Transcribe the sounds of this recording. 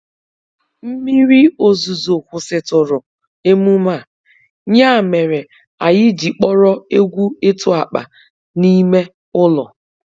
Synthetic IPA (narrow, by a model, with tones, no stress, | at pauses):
m̩˦mi˦ɾi˦o˨zu˨zo˨kʷʊ˨sɪ˨tʊ˨ɾʊ˨ | e˦mu˦ma˦˨ | ɲa˦˨me˨ɾe˨ | a˨jɪ˦d͡ʒi˨k͡pɔ˦ɾɔ˦e˦ɡʷu˦e˦tʊ˦a˨k͡pa̰˨ | ni˦me˦ | ʊ˦lɔ˨